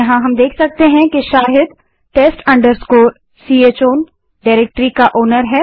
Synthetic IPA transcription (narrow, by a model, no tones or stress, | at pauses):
jɐɦãɦɐmd̪eːkʰsɐk̚t̪eɦɛ̃keʃaːɦɪd̪ | ʈeːsʈɐ̃ɳɖəɾskoːɾ | siːeːt͡ʃoːn | ɖaɪɾeːk̚ʈɾikaʔoːnəɾɦɛː